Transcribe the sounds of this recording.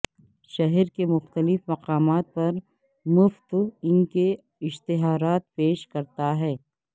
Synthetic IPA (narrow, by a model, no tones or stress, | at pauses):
ʃɐɦɛɾkemʊxt̪əlɪfmɐqaːmaːt̪̚pɐɾ | mʊft̪ɪnke | ɪʃt̪ɪɦaːɾaːt̪̚peːʃkɐɾt̪aɦɛː